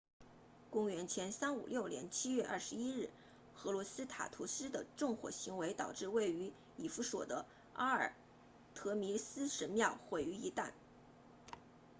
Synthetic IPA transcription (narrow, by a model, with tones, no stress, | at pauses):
kʊ˥ŋɥɛ˧˥nt͡ɕʰjɛ˧˥nsa˥nṵ˨˩ljo˥˩ʊljɛ̰˧˥nt͡ɕʰi˥ɥɛ˥˧ʔɐ̰˥˩ʂɻ̩˧˦i˥ɻɻ̩˥˩ | xɤ˧˥lwɔ˧˥sɹ̩˥t̪ʰa̰˨˩t̪ʰu˧˥sɹ̩˥d̪ə˨ʈ͡ʂʊ˥˩ŋxwɔ̰˨˩ɕi˧˥ŋwe˧˥ɪt̪ɑ˨˩ʊʈ͡ʂɻ̩˥˧we˥˩ɪy˧˥ | i˨˩fu˥swɔ̰˨˩d̪ə˦ | a˥ə̰˞˨˩ | t̪ʰɤ˧˥mi˧˥sɹ̩˥ʂə˧˥mjɑ˥˩ʊxwe˧˥ɪy˧˥i˧˥t̪a˥˩n